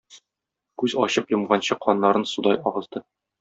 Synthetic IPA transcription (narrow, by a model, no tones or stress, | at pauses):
kʉzɒ̰ɕɤpjɤ̆mʁɑnɕɤqʰɒnːɑɾɤnsud̪ɑjɒʁɤ̆zd̪ɤ